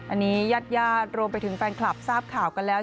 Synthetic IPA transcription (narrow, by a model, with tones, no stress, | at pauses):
ʔa˧nːiː˦˥jaː˥˩t̪̚jaː˥˩t̪̚ɾu˧əmp̬a˧jt̪ʰɯ˩˦ŋfɛː˧nkʰla˨˩p̚saː˥˩p̚kʰaː˨˩wka˧nlɛː˦˥